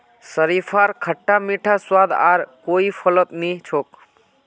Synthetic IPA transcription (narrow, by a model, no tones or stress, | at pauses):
səɾipʰaɾkʰəʈːamiʈʰaswad̪aːɾkoipʰələt̪nit͡ʃʰoːk